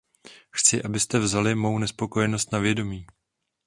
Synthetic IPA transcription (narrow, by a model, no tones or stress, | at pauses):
xt͡sɪʔabɪst̪ɛvzalɪmo̞wnɛspo̞kojɛno̞st̪navjɛdo̞miː